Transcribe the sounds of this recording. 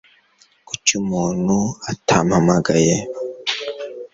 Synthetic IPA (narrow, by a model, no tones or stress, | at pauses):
kut͡ʃumuːnuatʰamamaɡaje